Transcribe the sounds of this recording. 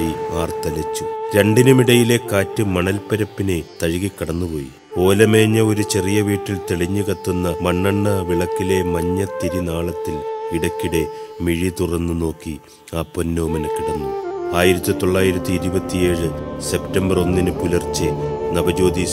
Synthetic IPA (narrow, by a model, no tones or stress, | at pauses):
iaːrt̪ɐlɐt͡ɕːuɾe̞ɳɖinumiɽɐjile̞kaːtːɨmɐɳɐlpɐɾɐpːinɨt̪ɐɻiɣikːɐɽɐnːupo̞ːjḭ | o̞ːlɐme̞ːɲːɐo̞ɾut͡ɕe̞rijɐʋiːʈːilt̪eɭiɲːukɐt̪ːunːɐmɐɳːɐɳːɐʋiɭɐkːile̞mɐɲːɐt̪ːiɾinaːɭɐt̪ːilʋiɽɐkːiɽe̞miɻit̪urɐnːɨno̞ːkːi | aːponːoːmɐnkiɽɐnːuaːjiɾɐt̪ːit̪o̞ɭːaːjiɾɐt̪ːɨiɾubɐt̪ːije̞ːɻɨse̞ptɐmbɐro̞nːinɨkulɐrt͡ɕːɨnɐbɐd͡ʑo̞ːd̪i